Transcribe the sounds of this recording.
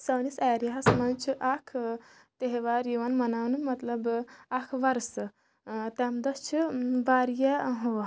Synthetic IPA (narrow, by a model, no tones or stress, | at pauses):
sɐwnisaːɾjɦasmɐnt͡ʃʰuʔakʰ | t̪eɦeʋaːɾjiʋɐnmɐnawnumɐt̪lɐbakʰʋɐɾs | t̪amd̪ɐst͡ʃʰubaːɾjɐɦo